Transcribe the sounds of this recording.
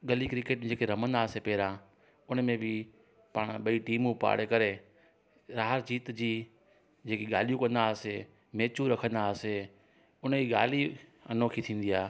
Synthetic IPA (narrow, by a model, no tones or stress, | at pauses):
ɠɐlikɾɪkeːʈ̚md͡ʑeːkeɾɐmə̃nd̪aːsepɛːɾã | ʊnmẽbɪ | paɽ̃ɓɐiʈiːmũpa̰ːɽekɐɾe | ɾaːɦəɾd͡ʑiːt̪d͡ʑiː | d͡ʑeːkiɠaːlijũkɐ̃nd̪aːse | meːt͡ɕuɾɐkʰə̃nd̪aːse | ʊnəd͡ʑiːɠaːliɐnoːkʰit̪ʰĩːn̆d̪iaː